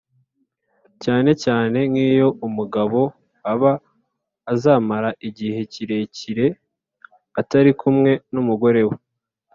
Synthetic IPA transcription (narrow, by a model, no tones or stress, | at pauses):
caːne̞caːne̞ŋiːjo̞ʔumuɡaβo̞ | aβaː | zaːmaɾaʔiɟihe̞ciɾe̞ciɾe̞ | ataɾikumŋe̞numuɡo̞ɾe̞we